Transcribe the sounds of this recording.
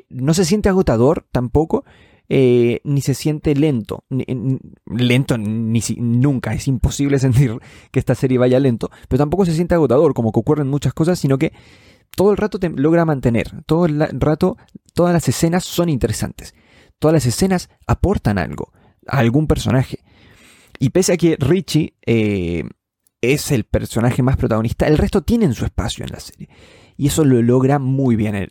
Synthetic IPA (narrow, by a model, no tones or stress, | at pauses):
no̞s̬e̞s̬je̞nt̪eaɣ̞ot̪að̞o̞ɾt̪ampo̞ko̞ | enise̞sje̞nt̪e̞le̞nt̪o̰ninle̞nt̪o̞nisinũŋkaesimpo̞siβle̞s̬e̞nt̪iɾkeest̪ase̞ɾje̞βaʝale̞nt̪o̞peɾot̪ampo̞ko̞s̬es̬jent̪eaɣo̞t̪að̞o̞ɾko̞mo̞keokurenmut͡ʃasko̞s̬asːino̞ke̞ | t̪o̞ðoelrat̪ot̪eloɣɾamãnt̪e̞ne̞̰ɾt̪oðolarat̪o̞ | t̪oðazlase̞se̞nasːo̞nint̪e̞ɾesa̰nt̪es | t̪oðalas̬e̞se̞nas | apo̞ɾt̪ana̰lɣo̰ | a̰ːlɣumpe̞ɾso̞naxe̥ | ipeseakerit͡ʃie | ese̞lpe̞ɾso̞naxe̞maspɾo̞t̪aɣo̞nist̪aelre̞st̪o̞t̪je̞neːnsue̞spa̰sjoḛnlʔa̰seɾje | ie̞so̞lo̞lo̞ɣɾamujβje̞nḛ